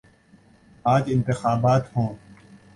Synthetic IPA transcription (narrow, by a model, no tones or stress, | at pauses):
aːd͡ʒɪ̃nt̪ɪxaːbaːt̪hõː